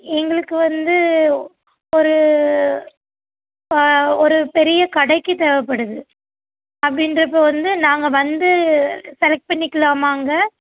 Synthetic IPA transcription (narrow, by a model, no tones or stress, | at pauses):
ɛŋɡɐɭɯkːɯʋɐnd̪ɯ | ɔɾɯ | ɔɾɯpɛɾɪjɐkɐɽɐɪkːɯt̪ɛːʋɐpːɐɽɯðɯ | ɐpːɐɽɪnrɐp̬ːoːʋɐnd̪ɯnaːŋɡɐʋɐnd̪ɯsɛlɐk̚ʈ̚pɐɳːɪkːɪɭaːmaːŋɡɐ